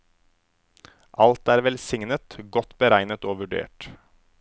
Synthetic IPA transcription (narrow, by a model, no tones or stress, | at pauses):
ʔɑlt̪æːɾʋɛlsɪŋnət̪ɡɔt̪bəɾæɪnət̪oːʋʉɖḛːʈ